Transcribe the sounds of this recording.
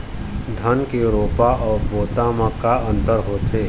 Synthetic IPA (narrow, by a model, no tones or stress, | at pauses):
d̪ʱənkeɾoːpaʔɔːɾboːt̪amãkaʔə̃nt̪əɾɦoːt̪eː